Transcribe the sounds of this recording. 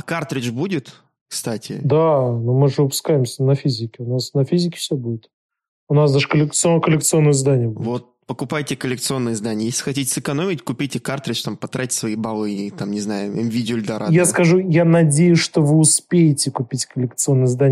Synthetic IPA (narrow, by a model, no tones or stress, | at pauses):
akart̪ɾʲɪt͡ʃbudʲɪt̪ | kst̪atʲɪ̰d̪anumɨʐɨvɨpʊ̥skajɪmsʲənɐfʲizʲɪkʲɪʊnasnɐfʲizʲɪkʲɪ̥fsʲɵbudʲɪt̪ | ʊnasd̪aʐɨkəlʲɪkt̪skəlʲɪkt̪sɨo̞nːəjəzd̪anʲɪjəbudʲvot̪̚pəkʊpajtʲɪkəlʲɪk̚t̪sɨo̞nːɨjəzd̪anʲɪəjesʲlʲɪxɐtʲitʲɪ̥sɨkɐno̞mʲɪtʲkʊpʲitʲɪkart̪ɾʲɪt͡ʃt̪ampɐt̪ɾʔatʲsvɐibalˠɨt̪amnʲɪznajʊɛmvʲidʲɪolʲɪd̪ɐɾajaskɐʐujanɐdʲejʊsʲʂt̪o̞vɨʊspʲejɪtʲɪkʊpʲitʲkəlʲɪkt̪sɨo̞nːəjəzd̪anʲ